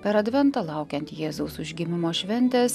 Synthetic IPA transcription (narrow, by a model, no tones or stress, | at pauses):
pʲɛɾɐd̪ʲʋʲɛnt̪ɑːlˠɑʊkʲɛnt̪jeːzɐʊsʊʒʲɡʲɪmʲɪmoːʃʲʋʲɛnʲt̪ʲes